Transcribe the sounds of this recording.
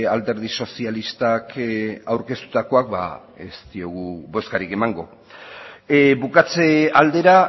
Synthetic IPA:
ald̪e̞ɾðiso̞sialist̪akawɾke̞st̪u̥t̪ako̞akba̰ | est̪io̞ɣ̞uβo̞skaɾike̞maŋɡo̞ | bukat͡seald̪e̞ɾa

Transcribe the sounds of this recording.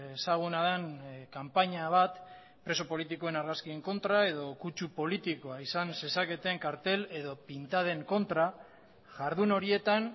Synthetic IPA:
esaɣ̞unaðeŋkampaɲaβ̞at̪ | pɾe̞so̞po̞lit̪iko̞e̞naɾɣaskie̞ŋko̞nt̪ɾae̞ðo̞kut͡ʃupo̞lit̪ikoaisanse̞sake̞t̪eŋkaɾt̪e̞le̞ðo̞pint̪að̞e̞ŋko̞nt̪ɾa | ʝaɾðuno̞ɾie̞t̪an

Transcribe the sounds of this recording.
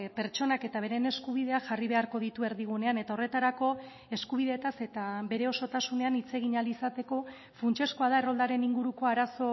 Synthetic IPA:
pe̞ɾt͡ʃo̞nake̞t̪aβ̞e̞ɾe̞ne̞skuβið̞e̞aʝariβe̞aɾko̞ð̞it̪ue̞ɾðiɣ̞une̞ane̞t̪ao̞re̞t̪aɾako̞ | e̞skuβ̞iðe̞t̪ase̞t̪aβe̞ɾe̞o̞so̞t̪asune̞anit͡se̞ɣ̞iɲalisat̪e̞ko̞ | funt͡ʃe̞skoaðae̞ro̞ld̪aɾe̞niŋɡuɾuko̞aɾaso̞

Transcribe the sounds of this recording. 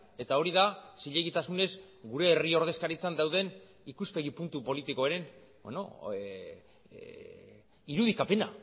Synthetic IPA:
e̞t̪ao̞ɾiðasiʎeɣit̪asune̞s | ɡuɾe̞ːrio̞ɾð̞e̞skaɾit͡sand̪awð̞e̞n | ikuspe̞ɣ̞ipunt̪upo̞lit̪ikoeɾe̞n | bḛno̰ | iɾuðikape̞na

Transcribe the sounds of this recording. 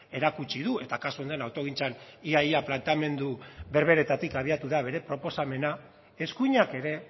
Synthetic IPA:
e̞ɾakut͡ʃiðue̞t̪akasu̞nd̪oenawt̪o̞ɣint͡saniaiaplant̪ame̞nd̪uβe̞ɾβe̞ɾe̞t̪at̪ikaβ̞iat̪uðaβe̞ɾe̞pɾo̞po̞same̞na | e̞skuɲake̞ɾe̞

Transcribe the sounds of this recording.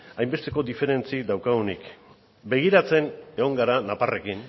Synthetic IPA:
ajmbe̞st̪e̞ko̞d̪ife̞ɾe̞nt͡sid̪awkaɣunik | be̞ɣ̞iɾat͡se̞ne̞ɣo̞ŋɡaɾanapare̞kin

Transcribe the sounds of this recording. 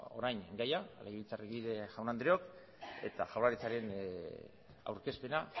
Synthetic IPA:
o̞̰ɾajnɡajalajβilt͡sareɣiðeʝawnand̪ɾeo̞k | e̞̰t̪aʝawlaɾit͡saɾe̞n | a̰wɾke̞spe̞na

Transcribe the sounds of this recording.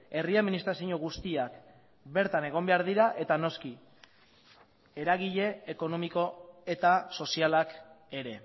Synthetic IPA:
e̞riaðminist̪ɾasiɲo̞ɣ̞ust̪iak | be̞ɾt̪ane̞ɣ̞o̞mbe̞aɾðiɾaʔe̞t̪ano̞ski | e̞ɾaɣ̞iʎe̞ːko̞no̞miko̞e̞t̪aso̞sialak | e̞ɾe̞

